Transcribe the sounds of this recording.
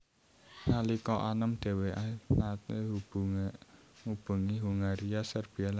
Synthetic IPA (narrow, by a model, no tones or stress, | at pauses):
ŋalikɔʔanəmd̪̥e̤weanat̪eɦubu | ŋub̥ṳŋiɦuŋaɾiasərb̥i̤ala